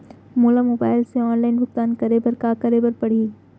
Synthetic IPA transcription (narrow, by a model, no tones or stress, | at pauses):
moːlamoːbaːɪlseɔːnlaːɪnbʊk̚t̪aːnkɐɾeːbəɾkakɐɾeːbəɾpɐɽ̤iː